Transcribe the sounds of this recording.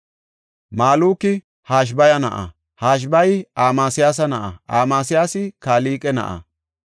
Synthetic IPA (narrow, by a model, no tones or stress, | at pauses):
maːluːkːɪ | haːʃ̬bɐjɐnɐ̰ʔɐ̰ | haːʃ̬bɐjaːmaːsɪjaːs̬ɐnɐʔɐ̰ʔaːmaːsɪjaːsɪkaːliːkʼɛnɐ̰ʔɐ̰